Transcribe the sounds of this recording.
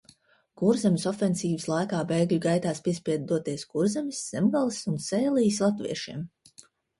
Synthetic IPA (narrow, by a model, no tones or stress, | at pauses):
kuɾzemʲisɔfensiːvɨslˠajkaːbeːɡlʲuɡajt̪aːspʲiɛspʲiɛd̪̚d̪uɔt̪iɛskuɾzemisːemɡalˠisunseːlˠijslˠat̪vḭɛʃiɛm